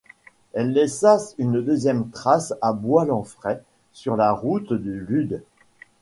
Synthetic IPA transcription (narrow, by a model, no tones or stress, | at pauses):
ɛlːɛsasynd̪øzjɛmt̪χasabwalɑ̃fχɛ | syʁlaʁut̪d̪ylyd̪